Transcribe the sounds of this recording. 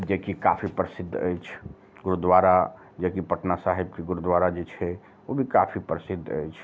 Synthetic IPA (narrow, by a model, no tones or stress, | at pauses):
d͡ʒekika̰pʰipɾəsɪd̪ʱːə̰jt͡ʃʰ | ɡʊɾud̪waɾa | d͡ʒekipəʈnasaɦebkeɡʊɾud̪waɾad͡ʒet͡ʃʰɛ | obʱika̰pʰipɾəsɪd̪ʱːə̰jt͡ʃʰ